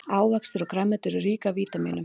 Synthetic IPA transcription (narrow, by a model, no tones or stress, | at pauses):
aːwvɛkst̪ʏɾɔkɾamːɛt̪ʏɾʏriːkaviːt̪amiːnʏm